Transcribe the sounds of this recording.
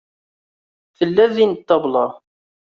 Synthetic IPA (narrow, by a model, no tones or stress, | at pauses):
θəlːæðinət̪ːɑblɑ